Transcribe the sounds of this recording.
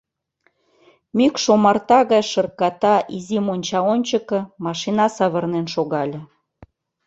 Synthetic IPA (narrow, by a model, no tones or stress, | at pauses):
mykʃomɑrt̪ɑɣɑjʃɤ̆rkɑt̪ɑʔizimonʲt͡ɕɑonʲt͡ɕəkɤ̆mɑʃinɑsɑβɤrnenʃoɣɑlʲĕ